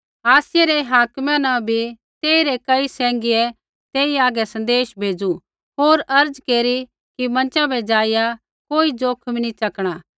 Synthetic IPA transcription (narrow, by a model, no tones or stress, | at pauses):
aːsɪjɛɾɛɦaːkmãnãbʱi | t̪eːiɾɛkɐisɛ̃ːŋɡiɛ | t̪eːiaːɡɛsɐ̃nd̪eːʃbʱeːd͡zu | ɦoːɾɐɾd͡zkeːɾi | kimɐ̃nt͡ʃabɛd͡ʒaːɪja | koːid͡ʒoːkʰmnit͡ʃɐkɽ̃aː